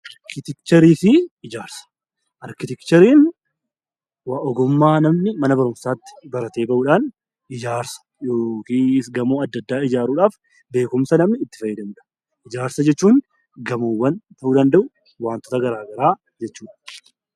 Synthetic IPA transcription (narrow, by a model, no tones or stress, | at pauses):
ɐɾkɪt̪ɪkt͡ʃɐɾiːsiɪd͡ʒaːɾsɐ̥ | ʔɐɾkɪt̪ɪkt͡ʃɐɾiːn | waʔɔɡʊmːaːnɐmnɪmɐnɐbɐɾʊmsaːt̪ːɪ̥bɐɾɐt̪e̞ːbɐʔuːᶑaːn | ɪd͡ʒaːɾsɐ̥ | joːkiːɪsɡɐmoːɐd̪ːɐd̪ːaːɪd͡ʒaːɾuːᶑaːf | be̞ːkʊmsɐnɐmnɪːt̪ːɪfɐjːɐd̪ɐmuːᶑɐ̥ | ɪd͡ʒaːɾsɐd͡ʒɛt͡ʃːuːn | ɡɐmoːwːɐnt̪ɐʔuːd̪ɐnd̪ɐʔʊ | waːnt̪ɔ̥t̪ɐɡɐɾaːɡɐɾaː | d͡ʒɛt͡ʃːuːᶑɐ̥